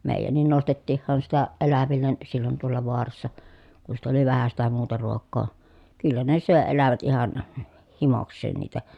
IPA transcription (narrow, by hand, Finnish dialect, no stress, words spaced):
meˑi̯jænːin nostetːiːhːɑn sitæ ʔelæʋilːen silːon toɑlːɑ ʋoɑrɑsːɑ ku sit oli ʋæhæ sitæ muːtɑ ruokˑoː kylːæ ne søˑe elæʋæt ihɑn h himoksˑeːn niːtæ